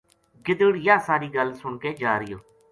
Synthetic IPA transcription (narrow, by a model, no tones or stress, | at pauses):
ɡɪd̪əɽjaːsaːɾiːɡəlsʊɳkeːd͡ʒaːɾɪjoː